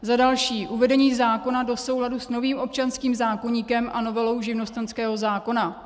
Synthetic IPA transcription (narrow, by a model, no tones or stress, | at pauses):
zadalʃiːʔuvɛdɛɲiːzaːko̞nado̞so̞wɦladusno̞viːmʔo̞p̚t͡ʃanskiːmzaːko̞ɲiːkɛmʔano̞vɛlo̞wʒɪvno̞st̪ɛnskɛːɦo̞zaːko̞na